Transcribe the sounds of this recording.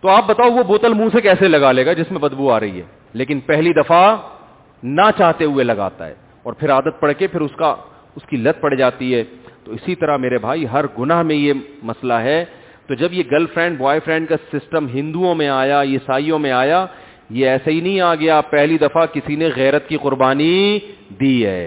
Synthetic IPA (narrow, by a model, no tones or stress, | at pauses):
t̪oaːp̚bɐt̪aːoʋoboːt̪əlmũsekɛːselɐɡaːleːɡad͡ʒɪsmẽbɐd̪buaːɾɐɦḭɦɛ̰ː | leːkɪnpɛɦlid̪ɐfa | nat͡ʃaːɦt̪eɦʊelɐɡa̰ːt̪a̰ɦɛ̰ː | ɔːɾpʰɪɾaːd̪ət̪̚pɐɽkepʰɪɾʊska | ʊskilɐd̪̚pɐɽ̤id͡ʒaːt̪iɦɛːt̪oɪsit̪ɐɾaɦmeːɾebʱaːiɦɐɾɡʊnaɦmẽjemɐslaɦɛ | t̪od͡ʒɐbjeɡɐlfɾɛ̃ːɳɖʋaːɪfɾɛ̃ːɳɖkasɪsʈəmɦɪ̃nd̪uõmẽaːjajesaːijõmẽaːja | jeɛːsaɦinɐɦĩaːɡɐjapɛɦlid̪ɐfakɪsineɣɛːɾət̪kiqʊɾbaːnid̪iːɦɛ̰ː